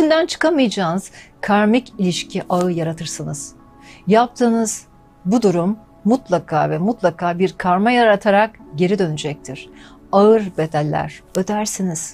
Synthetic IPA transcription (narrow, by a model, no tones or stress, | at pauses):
ʃind̪ænt͡ʃʰɯ̥kamɯjd͡ʒaːnɯz̥kʰaɾmicilʲiʃcʰiʔaɯjaɾat̪ʰɯɾsɯnɯz̥ | jap̚t̪ʰɯːnɯz̥ | bud̪uɾumː | ut̪lˠakʰaːvɛmut̪lˠakʰaːbiɾkʰaɾmajaɾat̪ʰaɾak̚ɟe̞ɾid̪ø̞nyd͡ʒɛc̚t̪ʰiɾ̥aɯɾbe̞d̪ælʲːæ̰ɾ̥ød̪æɾsiniz̥